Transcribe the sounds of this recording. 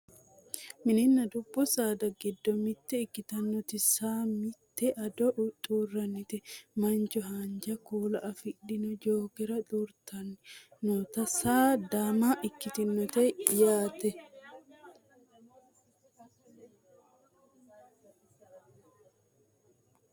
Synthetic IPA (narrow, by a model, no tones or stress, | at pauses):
mɪnɪnːɐd̪ʊbːʊsaːd̪ɐɡɛd̪ːɔmɪt̪ːɛɪkːɪt̪ɐnːɔt̪ɪsaːmɪt̪ːɛʔɐd̪ɔʔt̪ʼuːrːɐnːɪt̪ɛmɐnd͡ʒɔɦaːnd͡ʒɐkuːlɐʔɐfɪᶑɪnɔd͡ʒoːkɛɾɐt̪ʼuːɾt̪ɐnːɪnoːt̪ɐsaːd̪aːmaːʔɪkːɪt̪ɪnːɔt̪ɛjaːt̪ɛ